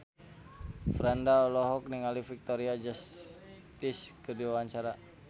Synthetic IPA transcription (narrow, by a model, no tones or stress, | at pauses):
fɾandaɔlɔɦɔk̚niŋalifik̚t̪ɔɾiad͡ʒas | t̪iskərdiwawaɲt͡ʃaɾa